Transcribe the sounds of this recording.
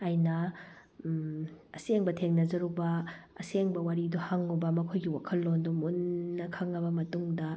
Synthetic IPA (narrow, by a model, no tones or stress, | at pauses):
ɐjnɐ | ɐseŋbɐtʰeŋnɐzɐɾubɐɐseŋbɐwaɾiduhaŋubɐmɐkʰojɡiwakʰɐlːondumunːɐkʰaŋːɐbɐmɐtuŋdɐ